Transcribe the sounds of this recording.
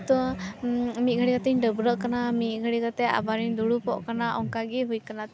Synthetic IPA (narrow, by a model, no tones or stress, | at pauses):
t̪ɔ | mit̪̚ɡʱəɽiɡat̪ɛɲɖəbɾəʔkanamit̪̚ˀɡʱəɽikat̪ɛa̰baɾiɲd̪uɽupɔ̰ʔkanaʔɔŋkaɡiɦujkanat̪